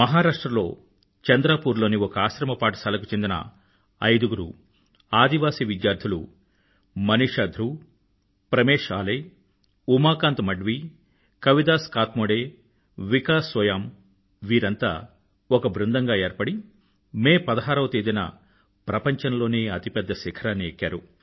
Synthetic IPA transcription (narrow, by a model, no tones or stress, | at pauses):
mɐɦaːɾaːʂʈɾɐlo̞̰ː | t͡ʃɐnd̪ɾaːpuːɾlo̞ːniɔkɐaːʃɾɐmɐpaːʈɐ̥sɐlɐkut͡ʃe̞nd̪inɐ̰ | ɐ̰jd̪uɡuɾṵ | aːd̪iʋaːsiːʋid̪jaːɾd̪ʰʱulṵ | mɐniːʂɐːd̪ʱɾu | pɾɐmeːʂaːlej | umaːkaːnt̪mɐɖʋi | kɐʋid̪aːskaːt̪moːɽeː | ʋikaːsʋɐjaːm | ʋiːɾɐnt̪a̰ː | ɔkɐbɾund̪ɐŋɡaːeːɾpɐɽi | meːpɐd̪ɐɦaːɾɐwt̪eːd̪inɐ̰ | pɾɐpɐɲt͡ʃɐnlo̞ːneːɐt̪ipɛd̪ːɐsikʰɐɾaːnːiekːa̰ːɾu